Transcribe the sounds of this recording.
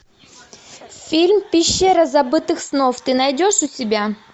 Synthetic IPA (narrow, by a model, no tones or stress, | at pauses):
fʲilʲmpʲɪɕːeɾɐzɐbɨt̪ɨxsnoft̪ɨnɐjdʲoʂʊsʲɪbʲa